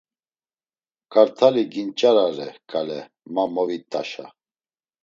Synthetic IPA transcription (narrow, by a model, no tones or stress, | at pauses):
kʼaɾt̪ʰaliɡint͡ʃʼaɾaɾɛkʼalɛ | mamɔvit̪ʼaʃa